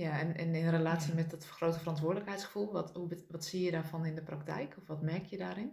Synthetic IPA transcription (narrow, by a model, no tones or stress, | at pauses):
jaɛnɪnɪnrelaːtsimɛtdɔtxrowtəfərɔntʋʊːrdələkhɛjtsχə̥fulˠʋɔthuʋɔtsiəjədaːfɔnɪndəpraktɛ̰jkʰɔfʋɔtmɛkjədaːɾɪn